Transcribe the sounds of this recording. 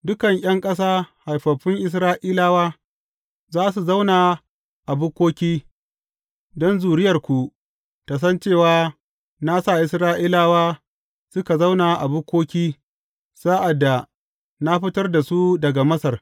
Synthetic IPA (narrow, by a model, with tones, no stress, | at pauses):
dʊ˦kɐ˨ŋj̰ʲɐ˦ŋkʼɐ˦s̬aː˦ha˨jɸɐ˨ɸɪ˦ŋʔɪ˦s̬ɾaː˦ʔiː˦laː˦waː˦ | zaː˦s̬u˨za˦wna˨ | ʔa˨bʊ˦kʷoː˦kʲiː˦ | dɔ˦nzuː˨ɽɪ˦jɐ˨rkʷu˨ | ta˨s̬ɐ˦nt͡ʃeː˦˨waː˦ | na˦sa˦˨ʔɪ˨sɾaː˦ʔiː˦laː˦waː˦ | sʊ˦ka˨za˦wna˨ʔa˨bʊ˦kʷoː˦kʲiː˦ | saː˦ʔa˨dːa˨ | na˦ɸɪ˦tɐ˦rda˨su˦dɐ˨ɡa˨mɐ˦sɐ˨r